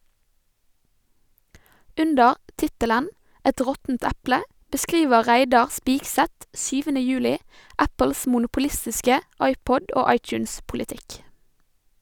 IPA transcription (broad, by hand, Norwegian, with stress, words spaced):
ˈʉndəɾ ˈtɪtələn ˈɛt ˈʁɔtn̩t ˈæplə bəˈskiːʋə ˈʁæɪdɑʁ ˈspɪɡsɛt ˈsyːʋənə ˈjʉːlɪ ˈæpl̩s mʊnʊpʊˈlɪstɪskə ˈɑɪˌpɔd ˈʔoː ˈɑɪˌtjʉːns pʊlɪˈtɪk